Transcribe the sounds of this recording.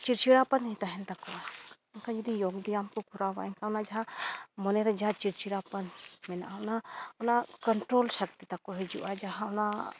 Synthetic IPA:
t͡ʃiɾt͡ʃiɾapanɦit̪aɦɛnt̪akɔaɛnkad͡ʒud̪ijoɡd̪ijamkɔkuɾawa̰ɛnkaɔnad͡ʒaɦãmɔnɛɾɛd͡ʒaɦãt͡ʃiɾt͡ʃiɾapanmɛnaʔaɔnaɔnakɔɳʈɾolsək̚t̪it̪akɔɦɛd͡ʒuʔad͡ʒaɦãɔna

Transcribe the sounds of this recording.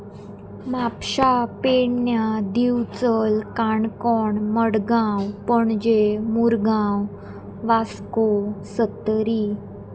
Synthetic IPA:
mapɕapeɳnjad̪iwt͡səlkaɳkɔɳməɽɡãwpəɳd͡ʑemuɾɡãw | ʋaskosət̪ɾiː

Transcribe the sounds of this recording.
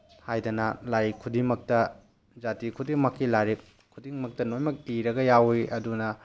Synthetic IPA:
hajdɐnɐlajikʰudiŋmɐk̚tɐ | d͡ʒatikʰudiŋmɐkːilaɾip̚ | kʰudiŋmɐk̚tɐnojmɐk̚iɾɐɡɐjawiʔɐdunɐ

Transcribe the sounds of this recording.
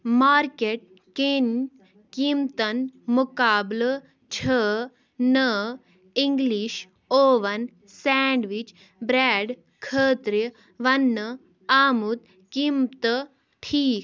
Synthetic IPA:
maːɾkeʈ̚ | ken | kimt̪ɐnmukaːblə | t͡ɕʰə | nə | iŋɡliɕ | oːʋɐn | sɛɳɖʋit͡ʃ | bɾɛːɖ | kʰəːt̪ɾə | ʋɐnːə | aːmut̪̚ | kimt̪ə | ʈʰiːk

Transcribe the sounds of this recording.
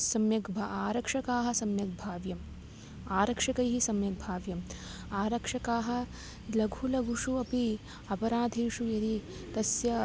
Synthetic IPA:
sɐmjɐkbʱaaːɾɐkʂɐkaːɦɐ̆sɐmjɐk̚bʱaːʋjɐm | aːɾɐkʂɐkɐjɦisɐmjɐk̚bʱaːʋjɐm | aːɾɐkʂɐkaːɦɐ̆ | lɐɡʱulɐɡʱuʂuɐpi | ɐpɐɾaːd̪ʱiːʂujɐɾi | t̪ɐsjɐ

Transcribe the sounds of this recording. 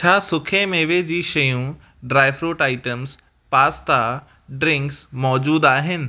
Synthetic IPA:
t͡ɕʰaːsʊkʰemeːʋed͡ʑiːʃɐjũ | ɖɾaːɪfɾuːʈaːɪʈəmz | paːst̪a | ɖɾɪ̃ŋksmɔːd͡ʑuːd̪aːɦɪnɪ̆

